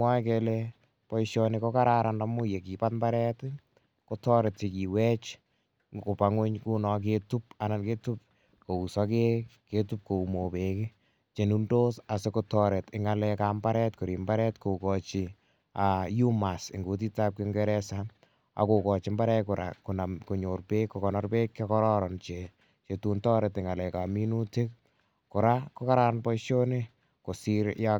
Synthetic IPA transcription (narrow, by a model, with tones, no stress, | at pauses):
mwa˦kelɛ | pɔ˦iʃjɔnɪkɔ˦ka˦ɾaɾanda˨mu˦je˨ki˨pat̚mbaɾɛ˦t | kotɔ˦ɾɛ˨t̚t͡ʃi˨ki˨wɛ˦t͡ʃ | ko˨pa˨ŋo˦ɲku˦nɔ˨k̬etu˦p̚a˨na˨nke˦tu˦p̚ | ko˨u˨sɔ˦keke˦tu˦p̚ko˨u˨mo˨pe˨kɪ˦ | t͡ʃe˨nundo˦sa˨se˦kotɔɾɛ˨tɪŋalɛkambaɾɛtko˨ɾi˨mba˦ɾɛtko˨kɔt͡ʃɪ˨ | aju˦ma˨sɪ˨ŋɡu˨t̬i˦ta˦p̚keŋɡɛɾɛsa | a̰ko˨kɔ˨t͡ʃɪ˨mba˦ɾɛkʊ˨ɾʔa̰ku˨na˨mko˨ɲo˨rpekːɔkɔnɔrpe˦kːakɔ˦ɾɔɾɔnt͡ʃe | t͡ʃe˨tu˦ntɔ˦ɾetɪŋa˨lɛkami˦nu˦te˦k̚ | kʊ˨ɾako˦ka˦ɾanbɔ˦ʃo˦ne | ko˨siɾja